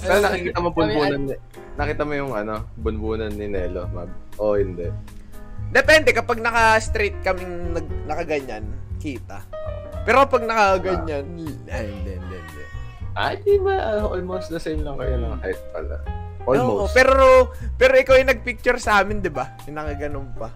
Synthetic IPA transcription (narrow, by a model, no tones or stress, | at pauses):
pɛɾonɐkɪkiːt̪ɐmobʊnuːnɐn | nɐkiːt̪ɐmojʊŋɐno̞bʊnbuːnɐnːɪnɛːlomab̚ʔohɪnd̪ɛʔ | d̪ɛpɛnd̪ɛkɐpɐɡ̚nɐkɐst̪ɾit̪̚kɐmɪŋnɐɡ̚nɐkɐɡɐɲankiːt̪ɐpɛːɾopɐɡ̚nɐkaɐɡɐɲan | ahɪnd̪ɛʔɪnd̪ɛ̰ʔnd̪ɛ̰ʔa̰d̪ibaʔɐʔolmowsd̪ɛsɛjmlɐŋkɐjonɐŋhajt̪̚pɐla̰ʔoomoopɛːɾopɛːɾoʔɪkawɐjnɐɡ̚pik̚t͡ʃʊɾsɐʔaːmɪnd̪ɪba | ɪnɐkɐɡɐnonpɐ